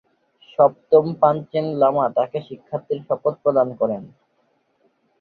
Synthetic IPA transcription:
ʃɔp̚t̪ompant͡ɕenlamat̪akeʃikʰːat̪ːiɾʃɔpot̪̚pɾod̪ankɔɾen

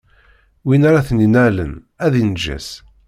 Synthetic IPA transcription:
winaɾaθninælə̰n | æðinʒæ̰s

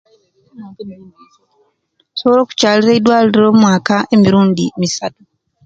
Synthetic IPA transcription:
soβoɾo̞ːku̥caːliɾeidwaːliiɾoːmwaːkae̞miɾuːndimisatu

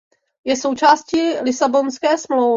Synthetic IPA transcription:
jɛsowt͡ʃaːscilɪsabonskɛːsmlowv

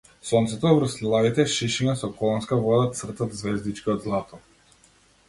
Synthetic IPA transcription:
sɔnt̪sɛt̪ɔvɾəslilˠavit̪ɛʃiʃinasɔkɔlˠɔnskavɔd̪at̪sr̩t̪at̪zvɛzd̪it͡ʃkiɔd̪zlˠat̪ɔ

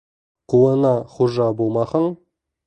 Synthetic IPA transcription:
qʰuənɑχuʒɑbolˠmɑχəɴ

